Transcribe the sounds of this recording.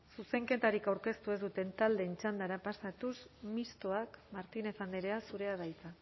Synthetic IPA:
suse̞ŋke̞t̪aɾikawɾke̞st̪ue̞zd̪ut̪e̞nt̪ald̪e̞nt͡ʃand̪aɾapasat̪usmist̪o̞akmaɾt̪ine̞fand̪eɾe̞asuɾe̞aðajt͡s̪a

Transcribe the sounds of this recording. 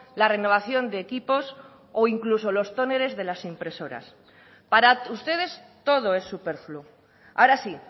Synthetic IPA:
lare̞no̞β̞aθjo̞nd̪eːkipo̞s | oiŋkluso̞lo̞st̪one̞ɾe̞zðe̞lasimpɾe̞so̞ɾa̰s | paɾaust̪e̞ð̞e̞st̪o̞ð̞o̞e̞sːupeɾflu | a̰oɾasi

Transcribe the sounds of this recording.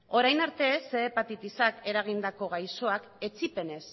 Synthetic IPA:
o̞ɾajnaɾt̪e̞seːpat̪it̪isake̞ɾaɣ̞ind̪ako̞ɣajso̞ak | e̞t͡sipe̞ne̞s

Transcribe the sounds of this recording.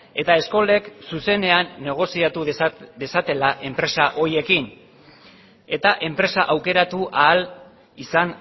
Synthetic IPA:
e̞t̪ae̞sko̞le̞ksuse̞ne̞anːe̞ɣ̞o̞siat̪ud̪e̞sat̪e̞laʔe̞mpɾe̞saʔo̞ɾie̞kin | e̞t̪aʔe̞mpɾe̞saʔawke̞ɾat̪uʔaːl | isan

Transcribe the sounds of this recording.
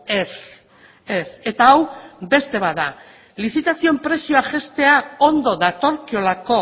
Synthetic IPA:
es | ese̞t̪aːwbe̞st̪e̞βaða | lisit̪asiompɾe̞sio̞aʝe̞st̪e̞ao̞nd̪o̞ðat̪o̞ɾkio̞lako̞

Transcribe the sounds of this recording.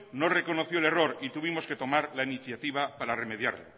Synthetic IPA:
noreko̞noθjoele̞roɾit̪uβimo̞ske̞t̪o̞maɾlainiθjat̪iβ̞apaɾare̞me̞ðja̰ɾlo̰

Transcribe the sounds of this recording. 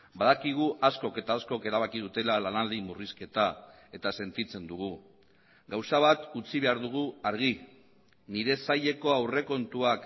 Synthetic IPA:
baðakiɣ̞uʔasko̞ke̞t̪aːsko̞ke̞ɾaβ̞akið̞ut̪e̞lalanald̪imuriske̞t̪a | e̞t̪ase̞nt̪it͡se̞nd̪uɣ̞u | ɡawsaβ̞at̪ut͡siβe̞aɾðuɣ̞uaɾɣ̞i | niɾe̞saʎe̞ko̞awre̞ko̞nt̪uak

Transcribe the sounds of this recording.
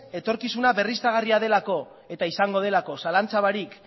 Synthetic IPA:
e̞t̪o̞ɾkisunaβe̞rist̪aɣ̞ariað̞e̞lako̞ | e̞t̪aisaŋɡo̞ðe̞lako̞salant͡saβaɾik

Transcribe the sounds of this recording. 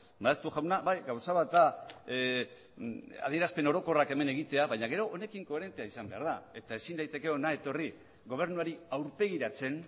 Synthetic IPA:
baest̪uxawnabajɡawsaβat̪d̪a | a̰ð̞ie̞ɾaspe̞no̞ɾo̞ko̞rake̞me̞ne̞ɣ̞it̪e̞aβaɲaɣ̞e̞ɾo̞ʔːne̞kiŋko̞e̞ɾe̞nt̪e̞aisambe̞a̰ɾðae̞t̪ae̞sind̪ajt̪e̞ke̞onae̞t̪o̞ri | ɣo̞β̞e̞ɾnuaɾiawɾpe̞ɣ̞iɾat͡se̞n

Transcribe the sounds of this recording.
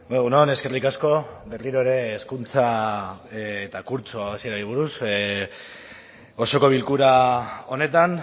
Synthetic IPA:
unone̞ske̞rikasko̞be̞riɾo̞eɾe̞ːskunt͡sa | t̪akuɾt͡soasie̞ɾaɾiβ̞uɾus | o̞so̞ko̞β̞ilkuɾao̞ne̞t̪an

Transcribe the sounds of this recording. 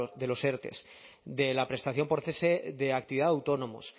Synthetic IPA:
ðe̞lo̞seɾt̪e̞̰s | d̪e̞lapɾe̞st̪aθjo̞mpo̞ɾθeseðeak̚t̪iβiðaawt̪o̞nõ̞mo̞̰s

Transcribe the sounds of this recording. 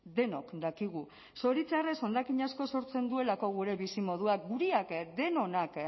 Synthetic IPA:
d̪e̞no̞kd̪akiɣ̞u | so̞ɾit͡sare̞so̞nd̪akiɲasko̞so̞ɾt͡se̞nd̪ue̞lako̞ɣ̞uɾe̞βisimo̞ð̞uak̚ɡuɾiakd̪e̞no̞nak

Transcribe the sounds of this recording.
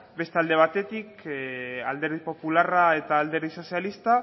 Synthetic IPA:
be̞st̪eald̪e̞β̞at̪e̞t̪ik | ald̪e̞ɾðipo̞pularae̞t̪aːld̪e̞ɾðiso̞sialist̪a

